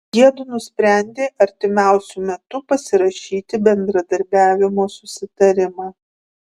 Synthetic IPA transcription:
jʲiɛd̪ʊnʊsʲpʲɾʲæˑnʲd̪ʲeːʔɐɾʲt̪ʲɪmʲæˑʊsʲumʲɛt̪ʊpɐsʲɪɾɐʃʲiːt̪ʲɪbʲɛnd̪ɾɐd̪ɐɾʲbʲæːʋʲɪmoːsʊsʲɪt̪ɐɾʲɪmɑː

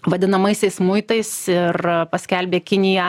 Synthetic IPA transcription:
ʋɐd̪ʲɪnɐmɐɪsʲɛɪsmʊɪt̪ɐɪsɪrpɐsʲkʲɛlʲbʲeːkʲɪnʲɪjɛ

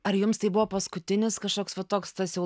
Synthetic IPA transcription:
ɐɾjʊmst̪ɐɪbʊʋoːpɐskʊt̪ʲɪnʲɪskɐʃkoːksʋɐt̪oːkst̪ɐsjɛʊ

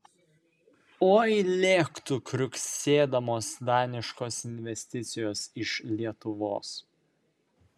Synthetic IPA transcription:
oːilʲeːkt̪ukɾʲʊksʲeːd̪ɐmoːsd̪ɑːnʲɪʃkoːsɪnʲʋʲɛsʲt̪ʲɪt̪sʲɪjoːsɪʃlʲiɛt̪ʊʋo̰ːs

